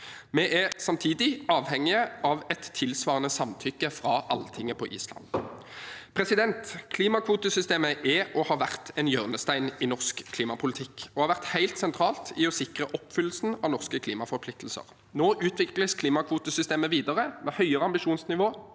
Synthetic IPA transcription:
mɛʔæʁsɑmt̪ʰiːd̪ɪɑːʋhɛŋːɪəɑʋɛt̪ʰːɪlsʋɑːʁnəsɑmt̪ʰʏkːəfɾɑʔɑlːət̪ʰɪŋːəpʰɔʔḭːslɑ̰n | pʰʁɛsɪd̪ɛnt̪kʰliːmɑkʰʋuːt̪əsʏst̪eːməʔɛɔhɑʋæʁt̪ʰɛnjøːʁnəst̪æɪnɪnɔʁskʰliːmɑpʰʊlɪt̪ʰɪkːɔhɑɾʁʋæʁt̪hæɪlt̪sɛnt̪ʰʁɑːlt̪ɪɔsɪkʁəʔɔpːfʏlːəsn̩ɑʋnɔʁskəkʰliːmɑfɔʁpʰlɪk̚t̪l̩sə̰ʁ | noːʔʉːt̪ʰʋɪkləskʰliːmɑkʰʋuːt̪əsʏst̪eːməʋiːd̪əʁəmɛhœʏəʁəɑmbɪʂuːnsnɪʋoː

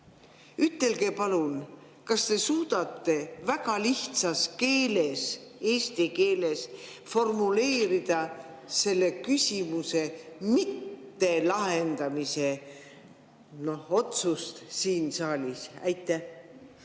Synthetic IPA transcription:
yt̪ːˑe̞lɡe̞pɑlun | kɑst̪e̞suːd̪̥ɑt̪ːe̞væɡ̥ɑliht̪sɑske̞ːle̞se̞ːsʲt̪ike̞ːle̞s | fo̞rmule̞ːɾid̪̥ɑ | se̞lːe̞kysʲimuse̞mit̪ːe̞lɑɦe̞nd̪̥ɑmise̞ | no̞ho̞t̪sust̪siːnsɑːlʲisæ̰jt̪ːˑæh

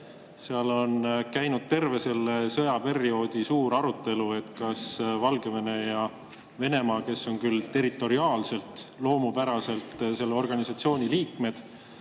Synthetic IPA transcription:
seɑlo̞nkæjnud̪̥̚t̪e̞rve̞se̞lːesɤjɑpe̞ɾio̞ːd̪̥isuːɾɑɾut̪ːˑe̞lue̞t̪kɑsvɑlɡe̞vene̞jɑ | ve̞ne̞mɑːke̞sːo̞nkylt̪e̞ɾit̪ːˑo̞ɾiɑːlse̞lt̪lo̞ːmupæɾɑse̞lt̪se̞lːeo̞rɡ̥ɑnisɑt̪sio̞ːnʲiliːkme̞d̪̥

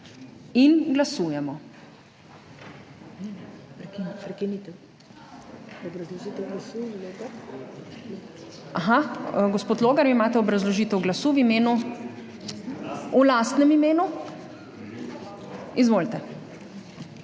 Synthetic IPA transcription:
inɡlasuːjɛmɔ | pɾpɾɛkinit̪ɛ | d̪ɔbɾɐzlɔʒit̪ɛɡlasulet̪ɛ | aɦaɡɔspoːt̪loːɡaɾimaːt̪ɛɔbɾɐzlɔʒit̪ɛwɡlasuʋimeːnu | ulaːst̪nɛmimeːnu | izʋolt̪ɛ

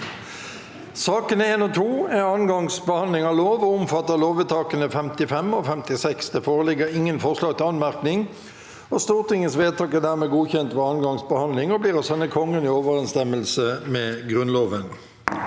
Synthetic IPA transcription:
sɑːkənəeːnɔt̪ʰuːæɑnɡɑŋsbəhɑnlɪŋɑʋloːʋɔʊmfɑt̪ːəʁloːʋət̪ʰɑːkənəfɛmt̪ɪfɛmɔːfɛmt̪ɪsɛksd̪ɛːfoːʁəlɪɡəʁɪŋːənfɔʁslɑːɡ̚t̪ɪlɑnmæʁknɪŋ | ɔst̪uːʁt̪ɪŋənsʋeːd̪̚t̪ʰɑːkɛd̪æːʁmɛːɡuːçɛnt̪ʋɛːɑnɡɑŋsbəhɑnlɪŋɔbliːʁɔsɛnːəkʰɔŋːənioːʋəʁɛnst̪ɛməlsəmɛːɡʁʉnloːʋən

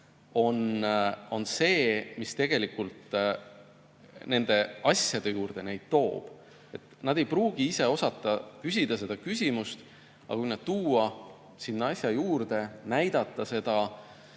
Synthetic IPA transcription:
o̞no̞nse̞ːmist̪e̞ɡ̥e̞likːˑult̪ | ne̞nd̪̥e̞ɑsjɑd̪̥e̞juːrd̪̥e̞ne̞jd̪̥̚t̪o̞ːb̥ | e̞t̪ːnɑd̪̥e̞jpruːɡ̥iise̞o̞sɑt̪ːˑɑkys̬ʲid̪̥ɑse̞d̪̥ɑkysʲimust̪ | ɑ̰kujnɑd̪̥̚t̪uːɑ | sinːɑsʲjɑjuːrd̪̥e̞næjd̪̥ɑt̪ːˑɑse̞d̪̥ɑ

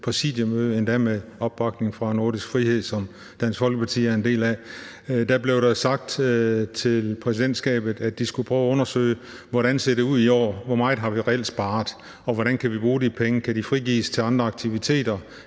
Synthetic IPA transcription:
pʰʁɛsḭːd̥jəmøðˠəend̥æmeɒ̽b̥ːɑ̈ɡ̥̚ne̝ŋfʁɑ̈no̝ɐɾisɡ̥fʁihe̝ð̞̰ˠsɒ̽m | d̥ænsfɒ̽lɡ̥əpʰɑ̈t͡sʰḭːæɐend̥e̝̰ːlæ | d̥æb̥le̝ʊɾɑsɑ̈ɡ̥̚d̥t͡sʰe̝lpʰʁɛsid̥end̥sɡ̥ɛ̰ːb̥ð̞̩ˠæ̥d̥isɡ̥upʰʁœːʊɔ̽nɐsø̰ːɪə | ʋɒɾænse̝ɐd̥euðˠiɒ̰ːʋɒmɑ̈ːð̩ˠɦɑ̈ʋiʁɛel̰d̥sb̥ɑ̈ːðˠ | ɒ̽ʋɒɾ̥ænkʰæʋib̥ʁuːdipʰeŋəkʰæɾifʁiɡ̥ḭːst͡sʰe̝lɑ̈nd̥ʁɐɑ̈ɡ̥̚t͡sʰiʋit͡sʰe̝̰ːd̥ɐ

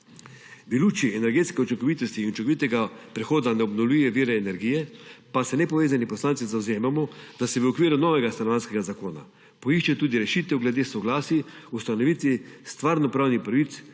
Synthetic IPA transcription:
biluːt͡ʃiɛnɛɾɡeːt̪skɛɔt͡ʃikɔʋit̪ɔst̪iːnut͡ʃikoʋit̪ɛɡapɾɛxoːd̪anɛɔbnɔwlujɛʋiːɾɛːnɛɾɡijɛpasɛnɛpɔʋeːzanipɔslaːnt̪sizawzeːmamɔd̪̥asɛʋəɔkʋiːɾunɔːʋɛɡast̪anɔʋanskɛɡazakoːna̰ | pɔiʃt͡ʃɛt̪uːd̪iɾɛʃiːt̪ɛwɡlɛd̪eːsɔɡlaːsiust̪anɔʋiːt̪ʋist̪ʋaɾnɔpɾawnixpɾaʋit̪s

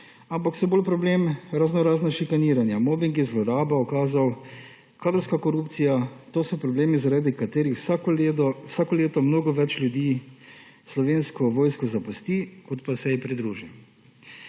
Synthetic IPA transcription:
ampaksɔboːlpɾɔbleːmɾaznɔɾaːznaʃikaniːɾanjamobiŋɡizlɔɾaːbaɔkaːzaw | kʰaːd̪ɾɔwskakɔɾuːpt̪sijat̪oːsɔpɾɔbleːmizaɾaːd̪ikat̪eːɾixd̪ɔwsaːkɔleːt̪ɔmnoːɡɔʋɛt͡ʃlʲjud̪iː | slɔʋeːnskɔʋoːjskɔzapɔst̪ikɔt̪pasɛjɛpɾid̪ɾuːʒi

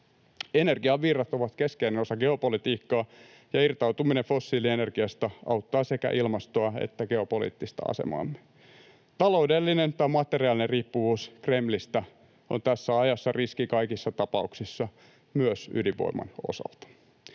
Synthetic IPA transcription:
e̞ne̞rɡiɑʋirːɑt̪o̞ʋɑt̪ke̞skeineno̞sɑɡe̞o̞polit̪iːkːɑː | jɑirt̪ɑwt̪uminefo̞sːiːliene̞rɡ̥iɑst̪ɑʔɑwt̪ːɑːse̞kæ̰ʔilmɑst̪oɑḛt̪ːæɡ̥e̞o̞polḭːt̪ːist̪ɑ̰ɑ̰sḛmɑ̰ːmːe | t̪ɑlo̞udelːinent̪ɑjmɑt̪e̞riɑːlineriːpːuʋuːskremlist̪æ | ont̪æsːæɑjɑsːɑriskikɑjkisːɑt̪ɑpɑuksisːɑ | myøsy̰liʋo̰imɑ̰no̞̰sɑ̰lt̪ɑ̥

